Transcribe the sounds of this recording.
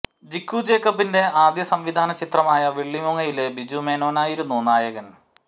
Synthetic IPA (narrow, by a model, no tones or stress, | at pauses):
d͡ʑikːud͡ʑe̞ːkɐbinde̞aːd̪jɐsɐmʋid̪ʱaːnɐt͡ɕit̪rɐmaːjɐʋiɭːimuŋːɐjilebid͡ʑume̞ːnoːnaːjiɾunːunaːjɐɣɐn